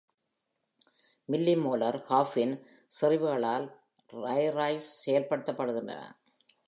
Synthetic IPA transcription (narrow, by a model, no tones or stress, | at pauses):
mɪlːimoːlɐɾhaːfɪn | sɪrɪʋɯɣɐɭaːl | ɾɐjɾɐɪssɛjɐlpɐɽɯt̪ːɐpːɐɽɯɣɪndrɐ̰nɐ̰